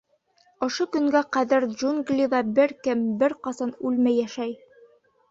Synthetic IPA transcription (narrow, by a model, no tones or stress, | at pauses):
ŏʃokɵ̆ŋɡæqæðɘɾʒuŋɡlʲiðɑbɘɾkɘmbɘɾqɑsɑnʉlmæjːæʃæj